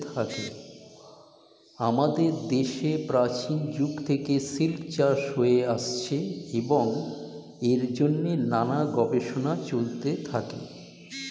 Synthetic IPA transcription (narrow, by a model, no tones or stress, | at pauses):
t̪ʰakḛ | amad̪eɾd̪eʃepɾat͡ɕind͡ʑuɡt̪ʰekesilkt͡ɕaʃɦoeaʃt͡ɕʰeeboŋ | eɾd͡ʑonːenanaɡɔbeʃonat͡ɕolt̪et̪ʰakḛ